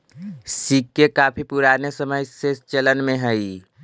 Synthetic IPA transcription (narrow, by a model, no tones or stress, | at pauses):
siːkːekaːpʰipʊɾaːnesəməjsest͡ʃələnmẽɦɛi